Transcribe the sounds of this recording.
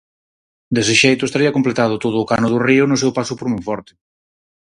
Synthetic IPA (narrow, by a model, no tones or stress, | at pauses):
d̪esɪʃejt̪ʊest̪aɾiɐkomplet̪að̞ʊt̪oðʊːkanʊð̞ʊriʊnʊsewpasʊpoɾmujfɔɾt̪ɪ̥